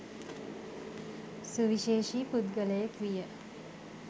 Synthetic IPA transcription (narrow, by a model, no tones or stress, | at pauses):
suʋiʃeːʃiːpud̪ɡələjakʋijə